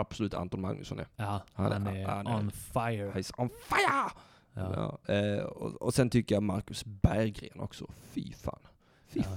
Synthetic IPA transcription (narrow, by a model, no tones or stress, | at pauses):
ab̥sɔlʉ̟ːt̪ʰa̰nt̪ɔnma̰ŋn̰sɔ̰nɛhaannfahaɪsɔnfaɪə | ɑ̰ːɔ̰ɔsɛnt̪ʰʏkːəjamaɾkɵsbæɾɡɾḛːnɔ̰ksɔfiːfa̰ːn | fi